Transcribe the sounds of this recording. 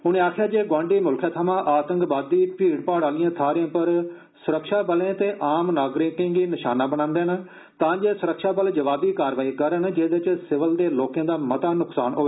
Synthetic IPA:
ʊnẽːaːkʰjaːd͡ʒeːɡwãːɳɖiːmʊlkʰaːt̪ʰəmãːʔaːt̪ə̃ŋkbaːd̪ːiːpiːɽpaːɽaːlɪjãːt̪ʰaːɾɪãːpəɾ | sʊɾəkʃaːbəlẽːt̪eːʔaːmnaːɡɾɪkɪ̃ŋɡiːnɪʃaːnaːbəɽ̃ãːnd̪eːn | t̪ãːd͡ʒeːsʊɾəkʃaːbəld͡ʒəʋaːbd̪iːkaːɾʋaːiːkəɾənd͡ʒeːd̪ɪt͡ʃsɪʋəld̪eːloːkjãːd̪aːmət̪aːnʊksaːnɦoːʋeː

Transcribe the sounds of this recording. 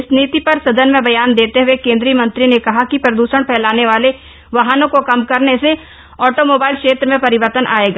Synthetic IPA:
ɪsniːt̪ipɐɾsɐd̪ənmẽbɐjaːnd̪eːt̪eɦʊekẽːnd̪ɾijəmɐ̃nt̪ɾinekɐɦakipɾɐd̪uːʃəɽ̃pʰɛːlaːneʋaːle | ʋaɦanõkokɐmkɐɾnese | ɔːʈomoːbaːɪlkʃeːt̪ɾəmẽpɐɾɪʋəɾt̪ənʔa̰ːeːɡaː

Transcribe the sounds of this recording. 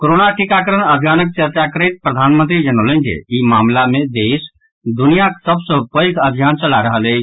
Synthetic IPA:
koɾonaʈikakəɾənəbʱjaːnək̚t͡ʃəɾt͡ʃakəɾet̪̚pɾəd̪ʱaːnmənt̪ɾid͡ʒənolẽnd͡ʒḛimaːmlamẽd̪eːs | d̪unijaksəbsə̃kəikʰəbʱjaːnt͡ʃəlaɾəɦəle

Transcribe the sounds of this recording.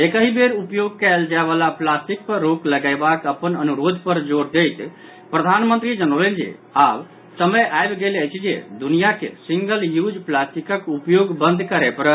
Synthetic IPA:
ekəɦibeɾupjoɡ̚kɛld͡ʒaebalaplasʈik̚pəɾːokləɡaɪbakəpənənuɾod̪ʱpəɾd͡ʒoɽd̪ejt̪ | pɾəd̪ʱanmənt̪ɾid͡ʒənəleld͡ʒḛab | səməjʔajbɡeləjt͡ʃʰid͡ʒḛd̪unijakḛsiŋɡəljud͡ʒplasʈikəkupjoɡbənd̪ʱkəɾɛpəɾ

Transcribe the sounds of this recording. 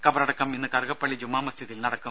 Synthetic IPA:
kɐbɐɾɐɽɐkːɐminːɨkɐɾɣɐpːɐɭːid͡ʑumːaːmɐst̪ʰiðilnɐɽɐkːu

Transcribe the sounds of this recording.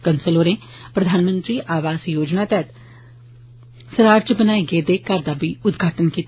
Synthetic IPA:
kənsəloːɾẽː | pɾəd̪ʱaːnmə̃nt̪ɾiːʔaːʋaːsjoːd͡ʒnaːt̪ɛːt̪ | səɾaːɾd͡ʒəbənaːeɡeːd̪eːkaɾd̪aːbiːʊd̪ɡʱaːʈənkiːt̪

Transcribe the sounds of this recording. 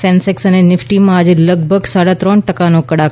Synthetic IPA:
sɛ̃nseksənenɪfʈimãad͡ʒeləɡ̚bʱəɡsaɽat̪ɾɔɳʈəkanokəɽak

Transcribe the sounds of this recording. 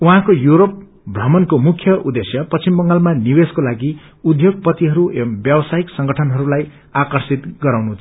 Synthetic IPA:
uɦãkojuɾop̚ | brʌmʌnkomukʰjʌʔud̪esjʌpʌst͡simbʌŋɡalmaniweskolaɡi | ud̪ʱjoɡ̚pʌt̪iɦʌɾuʔbjʌbʌsaiksʌŋɡʌʈʰʌnɦʌɾulaj | akʌrsit̪ɡʌɾawnut͡sʰ

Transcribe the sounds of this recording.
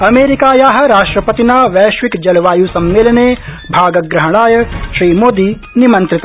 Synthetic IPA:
ɐmeːɾikaːjaːɦɐɾaːʃʈɾɐpɐt̪inaːʋɛːʃʋikd͡ʒɐlʋaːjuːsɐmːeːlneː | bʱaːɡɐɡɾɐɦɽ̃aːjɐʃɾiːmoːd̪iː | nimɐ̃nt̪ɾɪt̪a

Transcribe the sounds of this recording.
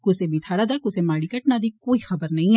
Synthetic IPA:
kʊsebʱit̪ʰaːɾad̪ɐkʊsemaːɽikɐʈnad̪ikoːixɐbəɾnɐɦĩ

